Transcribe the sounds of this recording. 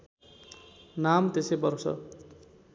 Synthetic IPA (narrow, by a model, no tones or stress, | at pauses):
namt̪esejbʌrsʌ̰